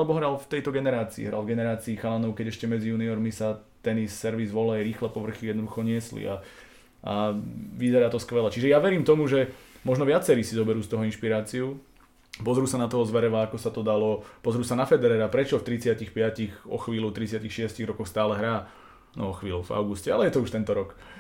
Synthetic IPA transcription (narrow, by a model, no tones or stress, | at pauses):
alɛbɔɦɾalft̪ɛjt̪ɔɡɛnɛɾaːt͡siḭɦɾa̰lvɡɛnɛɾaːt͡siːxalanɔʊkɛɟɛʃcɛmɛd͡zijuːniɔɾmisat̪ɛnissɛɾʋizʋɔlɛjɾiːxlɛpɔʋr̩xijɛd̪nɔd̪uxɔɲɪɛslḭa | ʔaʋizɛɾaːt̪ɔskʋɛlɛt͡ʃiʒɛjaʋɛɾiːmt̪ɔmuʒɛmɔʒnɔʋɪat͡sɛɾiːsizɔbɛɾuːst̪ɔɦɔinʃpiɾaːt͡siu | pɔzɾuːsanat̪ɔɔzʋɛɾɛʋaakɔsat̪ɔd̪alɔpɔzɾuːsanafɛd̪ɛɾɛːɾapɾɛt͡ʃɔft̪ɾit͡sɪacixpɪaciɣɔ̰xʋiːlut̪ɾit͡sɪacixʃɪɛsciɣɾɔkɔxst̪aːlɛɦɾaː | nɔɔxʋiːluva̰ʊɡuscɛalɛjɛt̪ɔuʃt̪ɛnt̪ɔɾɔk